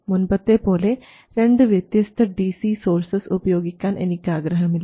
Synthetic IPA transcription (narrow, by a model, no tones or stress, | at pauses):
munbɐt̪ːepoːle | ɾeɳɖɨʋjɐt̪jɐst̪ʰɐɖiːsiːsoːɾsɐsupɐjoːɡikʲːaːnʔḛnikʲːaːɡɾɐɦɐmilː